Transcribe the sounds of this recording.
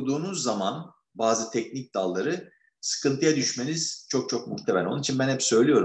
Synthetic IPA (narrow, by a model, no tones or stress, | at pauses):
d̪uːnuzːaman | baːzɯt̪ʰɛcnic̚d̪̥alˠːaɾɯ | sɯ̥kʰɯnt̪ʰɯjad̪yʃme̞niz̥t͡ʃʰo̞k̚t͡ʃʰo̞k̚muht̪ʰemæ̰lʲonunit͡ʃʰinbænhɛpsø̞jlʲijo̞ɾu